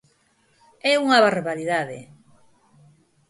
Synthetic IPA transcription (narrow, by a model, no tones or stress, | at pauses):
ɛuŋaβarβaɾiðaðḛ